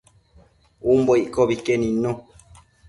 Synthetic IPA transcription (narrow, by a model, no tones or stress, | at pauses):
umboikɔbikeninɔ̃